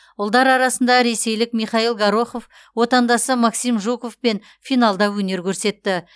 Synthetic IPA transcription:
ʊlˠd̪ɑɾɑɾɑsənd̪ɑɾe̞se̞jlɪkmijχɑilˠɡɑɾoχo̞f | wo̞t̪ɑnd̪ɑsəmɑksimʒuko̞fpe̞n | fijnɑlˠd̪ɑwɵne̞ɾkʲʰɵɾse̞t̪ːɪ

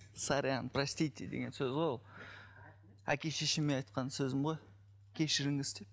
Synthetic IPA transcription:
saɾʲjanprasʲt̪ijt̪ʰʲed̪eɡʲe̞̰nsøzolˠ | ækʲe̞ʃeʃɪmenɑjt̪qɑnsɵzɪmʁoj | kʲʰe̞ʃɪɾɪŋɪzd̪ep

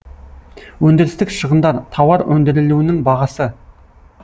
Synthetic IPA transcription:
wɵnd̪ɪɾɪst̪ɪkʃəʁənd̪ɑɾt̪ʰɑwɑɾwʔɵnd̪ɪɾɪluwɪnɪŋbɑʁɑsə

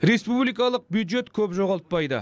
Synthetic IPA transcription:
ɾe̞spublikɑlˠəq̚bjud̪ʒe̞t̪kʲʰɵpʒoʁɑlˠt̪̚pɑjd̪ə̰

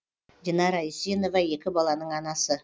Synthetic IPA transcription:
d̪ʲinɑɾajisʲeno̞vɑe̞kʲɪbɑlˠɑnəɴɑnɑsə

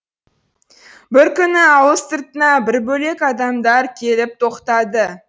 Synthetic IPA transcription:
bɪɾkʲʏnɪɑwəst̪əɾt̪ənɑbɪɾbɵle̞kɑd̪ɑmd̪ɑɾkʲʰe̞lɪp̚t̪ʰo̞qt̪ɑd̪ə

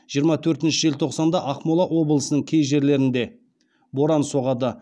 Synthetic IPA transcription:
ʒ̥ijəɾmɑt̪ʰɵɾt̪ɪnʃɪʒe̞lt̪ʰoqsɑnd̪ɑʔɑqmolˠɑʔwo̞bəlˠəsənəɴkʲʰe̞jʒe̞ɾle̞ɾɪnd̪e̞ | bo̞ɾɑnso̞ʁɑd̪ə

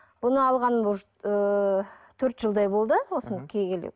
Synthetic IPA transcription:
b̥ʊnəɑlˠʁɑnbʊʒ | ə | t̪ʰɵɾt̪ʒəlˠd̪ɑjbo̞lˠd̪əwo̞sənd̪əqkʲʰejkʲelḛ

